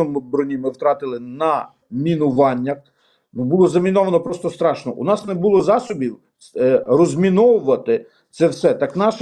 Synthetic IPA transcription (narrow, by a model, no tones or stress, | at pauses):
ɔmɪbɾɔnʲimɪwt̪ɾɑt̪ɪlˠɪnɐ | mʲinʊʋɑnʲːɐ | nubulˠɔzɐmʲinɔʋɐnɔpɾɔst̪ɔst̪ɾɑʃnɔ̰ʔṵnɑsnɛbulˠɔzɑsɔbʲiw | rɔzʲmʲinɔwʊʋɐt̪ɪ | t̪sɛwsɛt̪ɑknɑʃ